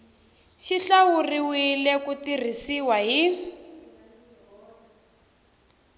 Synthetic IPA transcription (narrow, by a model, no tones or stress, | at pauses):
ʃiɬawuriwilɛkutir̤isiwaɦi